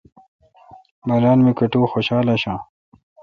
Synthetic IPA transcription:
mɐɾaːnmikɐʈuːxoɕaːlaɕãː

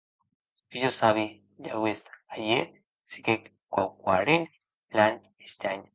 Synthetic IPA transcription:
piʝosaβi | ʎawest̪aje | si̥kek | kwawkwaɾin | lan | est̪aɲ

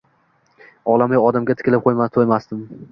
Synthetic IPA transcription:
ɒlˠamajɒd̪amɡʲat̪ʰɪ̥kʲɪlɪp̚qʰojmat̪ʰojmast̪ɪm

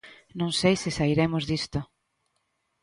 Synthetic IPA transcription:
nõŋsejsɪsaiɾemʊzðist̪ʊ

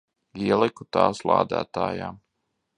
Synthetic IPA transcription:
iɛlˠɛkut̪aːslˠa̰ːd̪æ̰ːt̪aːja̰ː

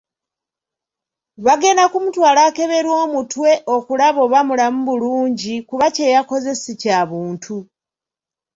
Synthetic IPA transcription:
βaɡe̞nakumutwaːlake̞βe̞ɾwo̞ːmutwe̞ʔo̞kulaβo̞βamulamuβuluːɲɟikuβace̞jako̞ze̞sicaβuːntʰu

